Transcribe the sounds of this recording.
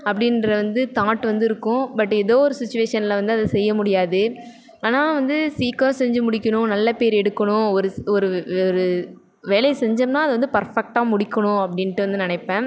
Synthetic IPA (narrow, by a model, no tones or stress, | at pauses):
ɐpːɐɽɪnɾɐʋɐnd̪ɯt̪aːʈːʋɐnd̪ɯɪɾɯkːʊ̃bɐʈːɛðoːɔɾɯsɪt͡ʃːʊʋeːʂɐnɪlɐʋɐnd̪ɯɐðɐsɛjːɐmʊɽɪjaːðɯ | aːnaːʋɐnd̪ɯsiːkõsɛɲd͡ʒɯmʊɽɪkʲːɐɳʊ̃nɐlːɐpeːɾɛɽɯkːɐɳʊ̃ɔɾɯɔɾɯɔɾɯ | ʋeːlɐɪsɛɲd͡ʒɐmnãːɐðɯʋɐnd̪ɯpɐɾfɛk̚ʈaːmʊɽɪkːɐɳʊ̃ɐpːɐɽɪnʈːɯʋɐnd̪ɯnɐnɐɪpːẽː